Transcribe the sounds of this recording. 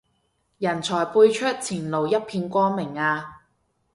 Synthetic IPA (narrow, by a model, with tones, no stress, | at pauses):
jɐ˨˩nt͡sʰɔː˨˩jpuː˧jt͡ʃʰɵ˥t̚t͡sʰiː˨˩nlo˨˩wjɐ˥t̚pʰiː˧nkʷɔː˥mɪ˨˩ŋaː˧